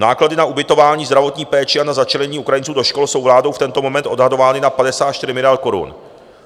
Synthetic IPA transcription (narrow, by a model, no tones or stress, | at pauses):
naːkladɪnaʔubɪt̪o̞vaːɲiːzd̪ɾavo̞t̪ɲiːpɛːt͡ʃɪanazat͡ʃɛlɛɲiːukɾajɪnt͡suːdo̞ʃko̞lso̞wvlaːdo̞wft̪ɛnt̪o̞mo̞mɛnt̪ʔo̞dɦado̞vaːnɪnapadɛsaːt̪ʃt̪ɪɾɪmɪlɪalko̞ɾṵn